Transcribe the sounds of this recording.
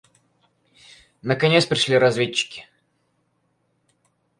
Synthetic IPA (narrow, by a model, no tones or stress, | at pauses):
nəkɐnʲet̪spɾʲɪʂlʲiɾɐzvʲet͡ɕːɪ̥kʲɪ̥